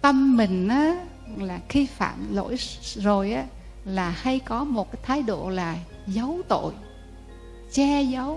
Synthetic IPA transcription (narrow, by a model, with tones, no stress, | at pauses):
t̪ə˧mmï˨˩ŋ̟ʔaː˨˦ | laː˨˩xi˧fa̰ː˧˨nlo̰˧˥˨jzo˨˩jʔaː˨˦ | laː˨˩ha˧jkɔ˨˦mo˨˩t̚kaː˨˦jt̪ʰaː˨˦jɗo̰˧˨laː˨˩ | zə˨˦wt̪o̰˧˨j | t͡ɕɛ˧zə˨˦w